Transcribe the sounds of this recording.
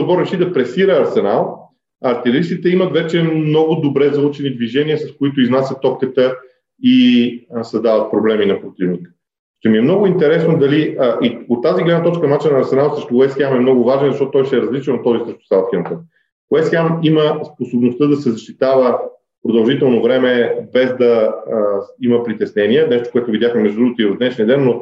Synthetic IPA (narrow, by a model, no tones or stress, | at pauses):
bɔɾɾɛʃid̪ɐpɾɛsiɾəːɾsɛnalˠ | ɐːɾt̪ɛlɛɾist̪it̪ɛimət̪vɛt͡ʃɛmmnɔɡʊd̪obɾɛzɐlˠut͡ʃɛnid̪viʒɛniəsɐskoit̪ʊiznasʲət̪ːɔkk̪ət̪ə | isɐzd̪avət̪̚pɾoblɛminɐpɾot̪ivnikə̥ | ʃt̪ɛmiɛmnɔɡʊint̪ɛɾɛsnod̪ɐliəʔiot̪ːaziɡlɛd̪nət̪ɔt͡ʃkənmnat͡ʃinnɐːɾsɛnalˠsɾɛʃt̪ʊwɛsxʲamɛmnɔɡʊvaʒnɛnzɐʃtɔt̪ʊt̪ɔjʃɛɾɐzlit͡ʃɛnot̪ɔzisəʃt̪ʊ̥salˠt̪kʲɛnt̪ə | wɛsxʲamiməsposobnost̪əd̪ɐsɛzɐʃt̪it̪avə | pɾod̪ɐlˠʒit̪ɛlˠnovɾɛmɛbɛzd̪ɐ | iməpɾit̪ɛsnɛniɛnɛʃt̪o̥koɛt̪ʊvid̪ʲjaxməmɛʒd̪dɾuɡot̪ivɐd̪ɛʃniəd̪ɛnːo